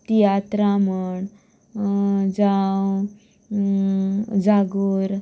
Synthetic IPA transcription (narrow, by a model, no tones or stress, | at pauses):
t̪ijat̪ɾaməɳ | d͡zaw | d͡zaɡuɾ